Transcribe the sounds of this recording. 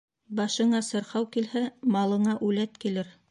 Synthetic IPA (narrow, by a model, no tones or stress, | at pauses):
bɑʃɤ̆ɴɑsɤ̆ɾhɑwkilhæmɑlˠɤ̆ɴɑʔʉlæt̪kilɘɾ